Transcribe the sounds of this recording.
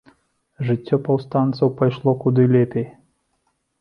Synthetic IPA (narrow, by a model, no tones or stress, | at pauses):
ʐɨtʲːɔpɐwst̪ɑnt̪sɐwpɐjʃlˠɔkud̪ɨlʲepʲej